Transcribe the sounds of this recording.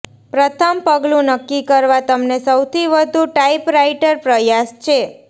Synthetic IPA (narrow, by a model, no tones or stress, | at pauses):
pɾət̪ʰəmpəɡlũnəkːikəɾʋat̪əmnesəwt̪ʰiʋəd̪ʱuʈaipɾaiʈəɾpɾəjast͡ʃʰe